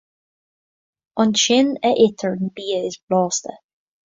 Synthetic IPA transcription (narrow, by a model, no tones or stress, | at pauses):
ɑnʃɪnəʔɪt̪ʰəɹnbiːəɪsblɑːst̪ə